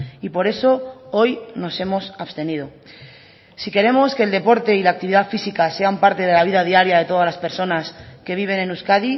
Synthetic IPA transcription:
ipo̞ɾe̞so̞o̞jno̞se̞mo̞sast̪e̞nið̞o̞ | sike̞ɾe̞mo̞ske̞ːld̪e̞po̞ɾt̪e̞ilaːk̚t̪iβiðafisikase̞ampaɾt̪e̞ð̞e̞laβ̞iðað̞iaɾjaðe̞t̪o̞ðazlaspe̞ɾso̞naske̞βiβ̞e̞ne̞nuskaði

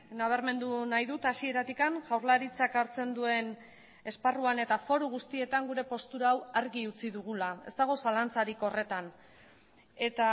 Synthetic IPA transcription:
naβ̞eɾme̞nd̪unajðut̪asie̞ɾat̪ikanʝawɾlaɾit͡sakaɾt͡se̞nd̪ue̞n | e̞sparuane̞t̪afo̞ɾuɣ̞ust̪ie̞t̪aŋɡuɾe̞po̞st̪uɾaːwaɾɣiut͡siðuɣ̞ulae̞st̪aɣ̞o̞salant͡saɾiko̞re̞t̪an | e̞t̪a

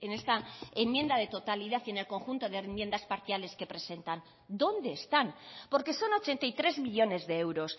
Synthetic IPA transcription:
ene̞st̪aemmje̞nd̪aðe̞t̪o̞t̪aliðaθie̞ne̞lko̞ŋxunt̪o̞ðemjend̪aspaɾθjale̞ske̞pɾe̞se̞nt̪an | d̪o̞nd̪e̞ːst̪anpo̞ɾke̞so̞no̞t͡ʃe̞nt̪aijt̪ɾe̞zmiʎo̞ne̞zðeewɾo̞s

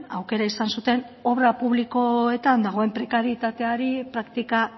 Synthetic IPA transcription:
a̰wke̞ɾaisansut̪e̞no̞βɾapuβliko̞e̞t̪and̪aɣ̞o̞e̞mpɾe̞kaɾiet̪at̪e̞aɾipɾakt̪ika

